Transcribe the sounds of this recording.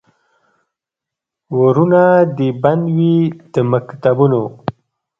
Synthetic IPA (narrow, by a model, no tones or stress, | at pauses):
woɾunad̪eband̪wid̪̥əmakt̪abuno